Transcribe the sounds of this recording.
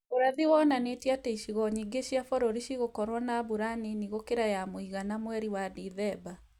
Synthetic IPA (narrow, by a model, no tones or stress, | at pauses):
oɾaðiwɔnanetiateiʃiɣɔɲiɡeɕiafɔɾoɾiɕiɣokɔɾwɔnabuɾaniniɣokeɾajamoiɣanamwɛɾiwadiðɛba